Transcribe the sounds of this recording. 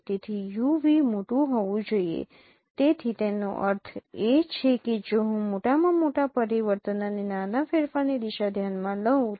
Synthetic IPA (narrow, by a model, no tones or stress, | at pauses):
t̪et̪ʰijuʋimoʈũɦɔʋũd͡ʒoijḛ | t̪et̪ʰit̪eno̰ʔə̰ɾt̪ʰet͡ʃʰeked͡ʒoɦũmoʈamãmoʈapəɾiʋəɾt̪ənanenanafeɾfaned̪iʃad̪ʱjanmãləɦũ